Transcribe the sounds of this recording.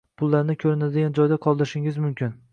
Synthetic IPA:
pʰʊlˠːaɾnɪkʲʰɵɾɪnad̪eɡʲand͡ʒɒjd̪aqʰɒlˠd̪ɪɾɪʃɪŋɪzmʊmkʲʰɪn

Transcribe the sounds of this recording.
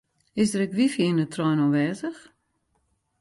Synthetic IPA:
ɪsdəɾɛkʋifjiːnətrɔjnɔʋɛːzəx

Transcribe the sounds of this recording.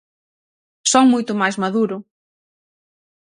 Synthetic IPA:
soŋmujt̪ʊmajzmaðuɾʊ

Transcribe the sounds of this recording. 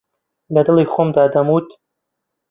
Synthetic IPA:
lɐd̪ɨlˠiːxomd̪aːd̪ɐmuːt̪

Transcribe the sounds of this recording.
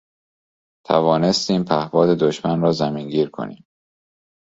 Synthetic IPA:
t̪ʰævɒːne̞st̪iːmpʰæhvɒːd̪e̞d̪oʃmænɾɒːzæmiːnɟiːɾkʰo̰nḭːm

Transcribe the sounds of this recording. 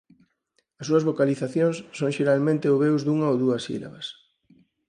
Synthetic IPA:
ɐsːuɐzβokaliθaθjõŋssːoŋʃeɾalmẽnt̪eoβewzd̪uŋɐowðuɐsḭlɐ̰βɐs

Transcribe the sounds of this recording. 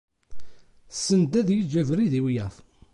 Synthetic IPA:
sənd̪æðjəd͡ʒævɾiðiwjæθ

